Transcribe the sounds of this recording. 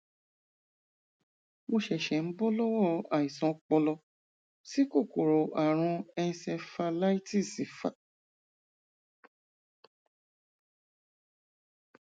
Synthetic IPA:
mo˧ʃɛ˨ʃɛ˨n̩˦bɔ˦lɔ˦wɔ˦a˨i˨sɔ̃˨˦k͡pɔ˧lɔ˧ | si˦ko˦˨ko˨ɾo˨ʔa˨ɾ̃ũ˧ɛ˧ĩ˧sɛ˧fa˧la˦i˦ti˦˨si˨fa̰˦˨

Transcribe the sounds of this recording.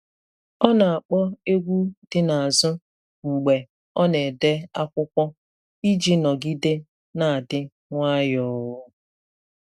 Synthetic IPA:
ɔ˦na˨a˨k͡pɔ˦e˦ɡʷu˦dɪ˦na˨a˨zʊ˦ | ŋ͡m̩˨ɡ͡be˨ | ɔ˦ne˨de˦a˦kʷʊ˦kʷɔ˦ | i˦d͡ʒi˦nɔ˨ɡi˦dɪ˦ | na˨a˨dɪ˦ | ŋʷa˦jɔ˦ʊ˦

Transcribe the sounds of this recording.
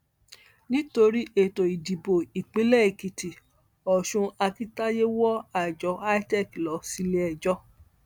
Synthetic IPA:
nĩ˦to˧ɾi˦e˨to˨i˨di˨bo˨i˨k͡pĩ˨˦lɛ˦i˨ki˨ti˨ | ɔ˨ʃũ˧a˧ki˦ta˦je˦wɔ˦a˨d͡ʒɔ˨˦a˦i˦tɛ˦˨klɔ˨˦si˧le˧ɛ˨d͡ʒɔ˦

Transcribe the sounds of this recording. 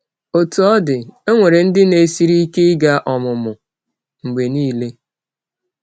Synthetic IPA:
o˨tu˨ɔ˦dɪ˨e˦ŋʷe˨ɾe˨n̩˦dɪ˦ne˨si˦ɾi˦i˦ke˦ɪ˦ɡa˦ʔɔ˨mʊ˨mʊ˨ | ŋ͡m̩˨ɡ͡be˨niː˦le˦

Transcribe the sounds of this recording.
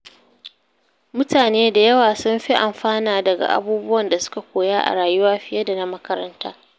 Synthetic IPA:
mʊ˦taː˨neː˦da˨jɐ˦waː˨sʊ˦mɸi˦ʔa˨mɸaː˦naː˨dɐ˨ɡa̰˨ʔa̰˦buː˦bʊ˦wɐ˨nda˨sʊ̥˦ka˨kʷoː˨jaː˦ʔa̰˨ɽaː˨jʊ˦waː˦ɸɪ˦jɐ˦da˨na˦mɐ˦kɐ˦ɾɐ̰˦ntaː˦

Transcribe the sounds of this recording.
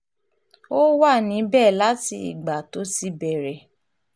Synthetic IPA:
o˦wa˦˨nĩ˨˦bɛ˦˨la˦ti˧ḭ˨ɡ͡ba˨to˨˦si˦bɛ˨ɾɛ˨

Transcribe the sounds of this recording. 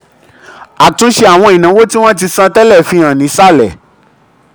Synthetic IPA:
a˨tũ˨˦ʃe˧˦a˨w̃ɔ̃˧i˨nã˨˦wo˦ti˦w̃ɔ̃˦t̬i˧sã˧tɛ˦lɛ˦˨fĩ˧˦ã˨nĩ˨˦sa˦˨lɛ˨

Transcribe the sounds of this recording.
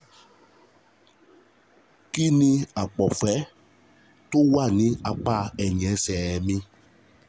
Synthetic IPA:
ki˦nĩ˧a˨k͡pɔ˨fɛ˨˦ | to˦wa˦˨nĩ˧a˧k͡pa˦˨ɛ˨ɲ˨ɛ̃˨˦sɛ˨mĩ˧

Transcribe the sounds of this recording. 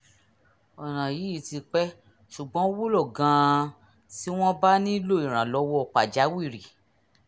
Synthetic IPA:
ɔ˨nã˨ji˨˦i˦ti˧k͡pɛ˦ | ʃu˨ɡ͡bɔ̃˨˦wo˦lɔ˦˨ɡã˧ | ti˦w̃ɔ̃˦ba˦nĩ˦lo˦˨ĩ˨ɾ̃ã˨lɔ˧˦wɔ˦ɔ˧k͡pa˨d͡ʒa˨˦wi˦˨ɾi˨

